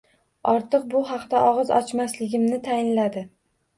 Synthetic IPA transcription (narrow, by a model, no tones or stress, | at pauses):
ɒɾt̪ʰɨq̚bʊɦɑqd̪aʔɒʁɨzɒ̰t͡ʃmaslɪɡʲɪmnɪt̪ʰajɪnlad̪ɪ